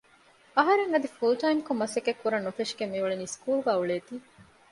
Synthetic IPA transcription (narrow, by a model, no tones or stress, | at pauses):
ɐɦɐɾeŋɐd̪ifulʈɐjmkomːɐsekekːuɾɐnːufeʃɡemːiʋuɭeniːskuːluɡæːuɭeːt̪iː